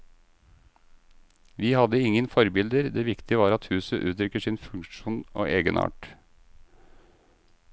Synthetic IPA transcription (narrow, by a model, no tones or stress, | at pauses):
ʋiːhɑd̪əɪŋənfɔɾbɪld̪əɾd̪eːʋɪkt̪ɪəʋɑːɾɑt̪hʉːsəʔʉːt̪ɾʏkəʂɪːnfʉŋʃuːno̰ːʔeːɡənʔɑ̰ːʈ